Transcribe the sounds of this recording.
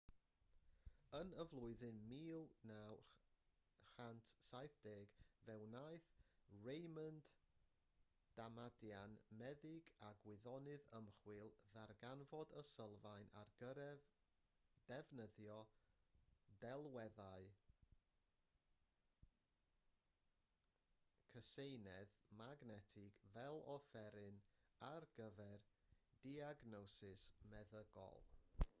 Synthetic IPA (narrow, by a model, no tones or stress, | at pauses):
ənəvlˠʊɨðɨnmiːlˠnaw | χantʰsajθd̥eːɡvɛwnajθrejmənd | d̥amadjanmɛðɪɡaɡwɪðɔnɨðəmχwɨlˠðarɡanvɔdəsəlˠvajnarɡəɾɛv | d̥ɛvnəðjɔ | dɛlˠwɛðaɨ | kʰəsejnɛðmaɡnɛtʰɪɡvɛlˠɔfɛɾɨnarɡ̥əvɛrd̥iaɡnɔsɨsmɛðəɡɔ̰lˠ